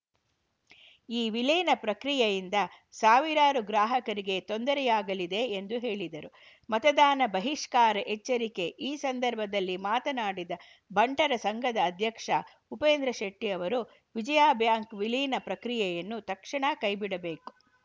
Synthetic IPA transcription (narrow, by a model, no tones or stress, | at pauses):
iːʋiliːnɐpɾɐkɾijɐjind̪ɐ | saːʋiɾaːɾuɡɾaːɦɐkɐɾiɡe̞t̪o̞nd̪ɐɾɛjaːɡɐlid̪e̞ːnd̪uɦe̞ːɭid̪ɐɾu | mɐt̪ɐd̪aːnɐbɐɦiʂkaːɾɐʔet͡ʃːɐɾike̞ʔiːsɐnd̪ɐɾbʱɐd̪ɐlːimaːt̪ɐnaːɽid̪ɐ | bʱɐɳʈɐɾɐsɐŋɡʱɐd̪ɐːd̪ʱjɐkʂɐ̰ | upeːnd̪ɾɐʃeʈːijɐʋɐɾu | ʋid͡ʒɐjaːbʱjaːŋkʋiliːnɐpɾɐkɾijɛjɐnːut̪ɐkʂɐɳɐkɐjbiɽɐbe̞ːku̥